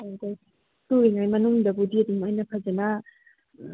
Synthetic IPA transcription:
aɡaj | suɾiŋajmɐnuŋdɐbudiɐdumajnɐpʰɐzɐnɐ

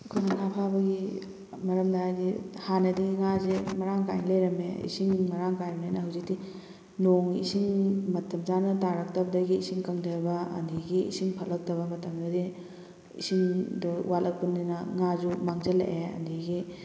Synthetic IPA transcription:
kʰonɐŋapʰabɐɡi | mɐɾɐmdaazihanɐdiɡiŋazemɐɾaŋka̰jnlejɾɐmeḭsiŋmɐɾaŋkajɾɐmnanɐɦɐwzik̚di | noŋḭsiŋmɐtɐmzanɐtaɾɐk̚tɐbɐdɐɡiːsiŋkɐŋdajbɐɐ̰ndiɡiḭsiŋpʰɐlɐk̚tɐβɐmɐtɐmdɐdi | ḭsiŋdɔ̰walʔɐk̚pundinɐŋazumaŋzɐlḛʔeɐ̰ndiɡi

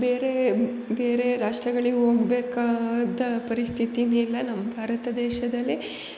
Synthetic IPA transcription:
beːɾe | beːɾe̞ɾaːʂʈɾɐɡɐɭiɡuɦoːɡbeːkaːd̪ɐpɐɾist̪ʰit̪inilːɐnɐmːɐbʱaːɾɐt̪ɐd̪ɛːʃɐd̪ɐlːi

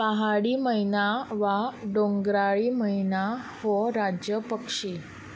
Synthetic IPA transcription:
paɦaɽiːməinaʋaɖoŋɡɾaɭiːməinaʋɔɾad͡ʑjəpəkʂiː

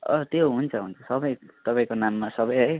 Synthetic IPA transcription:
ʌt̪joɦunt͡sʰʌɦunt͡sʰʌsʌbʌjt̪ʌpãĩkonamːasʌbʌjɦʌj

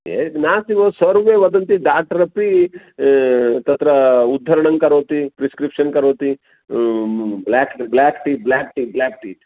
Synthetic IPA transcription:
jḛnaːsiʋoːsɐɾʋeːʋɐd̪ɐnt̪iɖaːʈɐɾɐpi | t̪ɐt̪ɾɐud̪ʱːɐɾɐɳɐŋkɐɾoːt̪ipɾiskɾipʂɐnkɐɾoːt̪i | blaːkblaːkʈiːʈblaːk̚ʈiblaːk̚ʈiːʈ

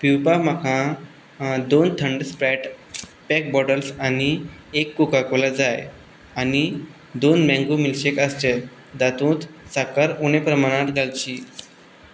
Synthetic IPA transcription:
piwpam̤akʰã | d̪ont̪ʰəɳɖspɾɛʈ | pɛk̚bɔʈəlsaniekːukakolad͡zaj | ani | d̪onmɛ̃ŋɡumilɕekəst͡ɕet̪ | d̪at̪ũːt̪sakaɾunepɾəmaɽ̃ãt̪ɡʱalt͡ɕi

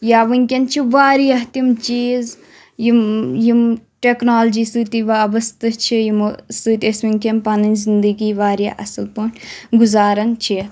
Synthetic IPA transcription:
jaːʋɨŋʲkʲɐnt͡ʃʰiʋaːɾijɐɦt̪imt͡ʃiːz | jimjimʈeknaːld͡ʒiːsɨːt̪iʋaːbɐst̪ɨt͡ʃʰijimsɨːt̪ʲesʋiŋʲkʲɐnpɐnɐnzind̪əɡiːʋaːɾja̰ʔɐsɐlpoːnʲɡuzaːɾɐnt͡ʃʰi

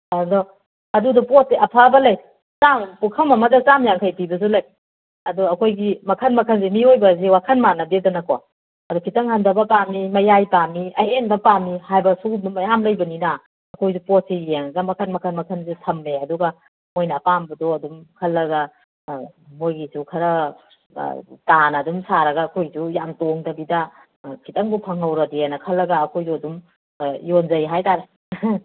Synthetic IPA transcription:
adɔ | ɐdudɔpɔt̚ːeʔɐpʰabɐlɐj | sampukʰɐwmɐmɐdat͡ʃamjaŋkʰajpibɐsulɐj | ɐdɔɐkʰojɡimɐkʰɐnmɐkʰɐnzemiojbɐzewakʰɐnmanɐbedɐnɐkowa̰ | ɐdɔkʰitɐŋhandɐbɐpamimɐjajpamiɐʔenbɐpamihajbɐsubmɐjamlɐjbɐnina | ɐkʰojsupotsieŋɐɡɐmɐkʰɐnmɐkʰɐnmɐkʰɐnsitʰɐmːeɐduɡɐ | mojnɐːpambɐdoɐdumkʰɐlːɐɡɐ | mojɡisukʰɐɾɐ | tanɐːdumsaɾɐɡɐːkʰojsujamtoŋdɐbidɐ | kʰitɐŋbupʰɐŋɐwɾɐdeanɐkʰɐlːɐɡɐːkʰojzuɐdum | jonzɐjɦajtaɾe

